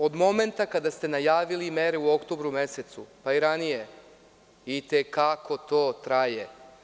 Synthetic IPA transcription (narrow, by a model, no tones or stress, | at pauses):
o̞d̪mo̞me̞nt̪akad̪ast̪e̞najaːʋilimeɾeuo̞kt̪obɾume̞set̪supaiɾanije̞ | it̪ekakʰo̞t̪o̞ːt̪ɾaje